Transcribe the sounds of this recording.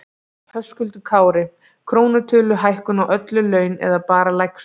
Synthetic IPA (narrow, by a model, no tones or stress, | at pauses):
hœskʏlt̪ʏkʰaːwɾɪ | kʰɾoːwnʏt̪ʰʏːlʏɦajhkʏnawʔœt̪lʏlœːɥnɛ̰ðapaːɾalajks